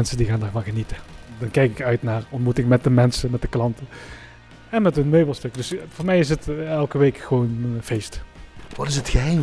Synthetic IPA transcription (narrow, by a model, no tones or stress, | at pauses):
ɛnsədiɣaːndaːɹvɑnɣənitədɑnkɛjkɪkœɥtnaːrɔntmutɪŋmɛt̚dəmɛnsəmɛt̚dəklɑntə | ɛnmɛtɦənmøːbəl̩ˠstøkdɵsvʊːɹmɛjɪs̬ɦətɛlˠkəʋejkχəʋoːnv̥ejstʋɑtɪsətχəɦɛj